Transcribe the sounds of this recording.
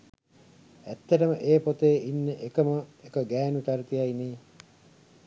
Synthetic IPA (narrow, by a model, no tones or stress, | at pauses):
æt̪ːɐʈəməʔeːpot̪eːinːeʔekəməekəɡæːnuʈ̪aɾt̪ijaineː